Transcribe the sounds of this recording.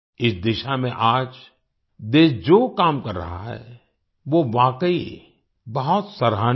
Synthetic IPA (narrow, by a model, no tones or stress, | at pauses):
ɪsd̪ɪʃamẽʔaːd͡ʒ | d̪eːsd͡ʒoːkaːmkɐɾːɐ̰ɦa̰ɦɛ̰ː | ʋoʋaːkəi | bɐɦʊt̪sɐɾɦaː